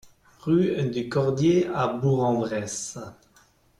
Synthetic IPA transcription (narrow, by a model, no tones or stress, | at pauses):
ʁyd̪ykɔʁd̪jeabuʁɑ̃vʁɛs